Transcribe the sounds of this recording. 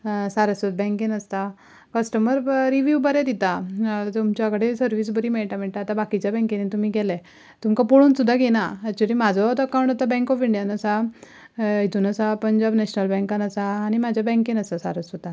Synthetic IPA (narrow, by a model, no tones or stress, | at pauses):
saɾəsʋət̪̚bɛ̃ŋkinəst̪a | kəsʈəməɾɾiʋjubəɾɛd̪it̪at̪umt͡ɕjakɽesəɾʋis̬bəɾiːmeɭʈam̤eɭʈ̪aat̪abakit͡ɕjabɛ̃ŋkinet̪um̤iːɡɛlɛ | t̪umkapoɽuːnsud̪ʱːaɡenaːt͡ɕuliːmad͡zʱɔt̪əkaw̃ɳʈat̪abɛ̃ŋkɔfiɳɖijanəsa | ɦit̪uːnəsapəɲd͡ʑabnɛɕnəlbɛ̃ŋkanəsaːɽ̃imad͡ʑʱjabɛ̃ŋkĩnəsasa̰ɾəsʋət̪ã